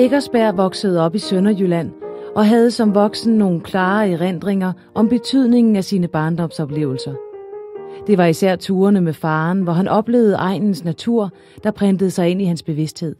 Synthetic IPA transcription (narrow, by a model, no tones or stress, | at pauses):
eɡ̥ɐsb̥æɐ̰ʋɒ̽ɡ̥səð̞̩ˠɒ̽b̥isønɐjylæn̰ʔɒ̽ɦæð̞ˠsɒ̽mʋɒ̽ɡ̥sn̩no̝ːn̩kʰlɑ̈ːeʁen̰d̥ʁeŋɐ | ʔɒ̽mb̥e̝t͡sʰyð̞̰ˠne̝ŋn̩æsiːnəb̥ɑ̈ːnd̥ɒ̽msɒ̽b̥le̝̰ʊl̩sɐ | d̥e̝ʋɑ̈isæɐ̰t͡sʰuːɐnəmefɑ̈ːnʋɒɦænʔɒ̽b̥le̝̰ːʊð̞̩ˠəʔɑ̈ɪ̰nn̩snæt͡sʰuɐ̰ | d̥ɑ̈pʰʁɛnd̥əð̞̩ˠsɑ̈ɪe̝nihænsb̥e̝ʋe̝sd̥he̝ð̞̰ˠ